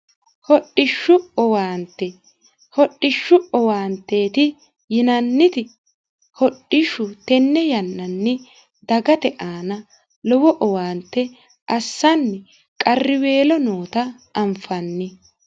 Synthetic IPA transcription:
hɔɗːɪʃːʊɔwaːnt̪ːɛ | hɔɗːɪʃːʊɔwaːnt̪ːeːt̪ɪ | jɪnɐnːɪt̪ɪ | hɔɗːɪʃːʊt̪ɛnːɛjɐnːɐnːɪ | d̪ɐɡɐt̪ɛʔaːnɐ | lɔwɔʔɔwaːnt̪ːɛ | ʔɐsːɐnːɛ | kʼɐrːɪwe̞ːlɔnoːt̪ɐ | ɐmfɐnːɪ

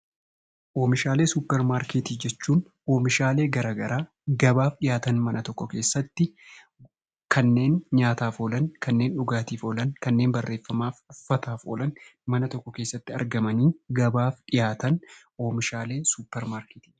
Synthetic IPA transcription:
ʔo̞ːmɪʃaːle̞ːsuːpːɛɾmaːɾkeːt̪iːd͡ʒɛt͡ʃːuːn | o̞ːmɪʃaːle̞ːɡɐɾaːɡɐɾʔaː | ɡɐbaːfɗɪjaːt̪ɐnmɐnʔɐt̪ɔkːɔke̞ːsːɐt̪ːɪ | kɐnːe̞ːnɲaːt̪aːfoːlɐnkɐnːe̞ːnᶑʊɡaːt̪iːfɔlɐnkɐnːe̞ːnbɐrːe̞ːfːɐmaːfʊfːɐt̪aːfɔ̰ːlɐnmɐnɐt̪ɔkːɔkeːsːɐt̪ːɪɐ̰ɾɡɐmɐniːɡɐbaːfᶑɪjaːt̪ɐnʔo̞ːmɪʃaːle̞ːsuːpːɛɾmaːɾkeːt̪i̥ː

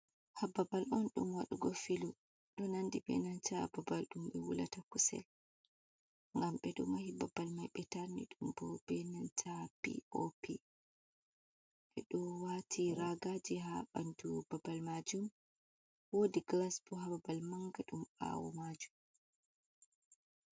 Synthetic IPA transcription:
hababalʔɔnɗumwaɗuɡɔfilu | ɗɔnandibɛ̰nantababalɗumbɛwṵla̰takusɛ̰l | ŋɡamɓɛɗumahibabːalmajɓɛtaɾnḭɗumbɔbɛnantʰapḭʔopi | ɓɛɗɔwatʰiɾaɡad͡ʒiɦabandubabalmad͡ʒum | wodiɡlasbɔɦababalmaŋɡaɗuma̰wɔ̰mad͡ʒum

